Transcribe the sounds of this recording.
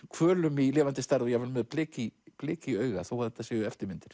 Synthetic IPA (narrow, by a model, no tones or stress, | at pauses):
kʰvœːlʏmilɛːvant̪ɪst̪aɾðʏjɛvanmɛðpʰlɪːcipleːciœːɥɣaθawaðθɛ̥t̪ːasɛːjʏɛft̪ɪɾmɪnt̪ɪ̥ɾ̥